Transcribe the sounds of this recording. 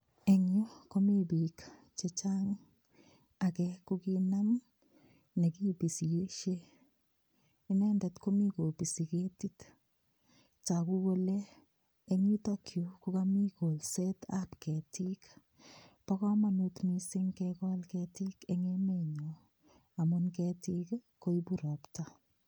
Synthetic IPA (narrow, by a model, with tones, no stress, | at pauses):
e˨ɲo˦ko˦mi˦bi˨k | t͡ʃe˨t͡ʃa˦ŋ | a˨kɛkʊ˦ɡi˦na˦ŋ | ne˨ki˦bi˨si˨je˦ʃe˦ | i˦nɛ˦ndɛ˨t̪ko˦mi˦ko˨pi˨si˨ke˦ti˦t̪ | t͡ʃa˨ku˦ɡo˦leː˦ | ŋi˦takjuku˦kami˦ko˨lsɛtapkɛ˨ti˦k | pa˦kɔ˦ma˨nutmisɪ˦ŋkɛkɔ˦lkɛtikeŋemeɲɔ | a˨mʊnkɛti˦kko˦ibuɾɔpta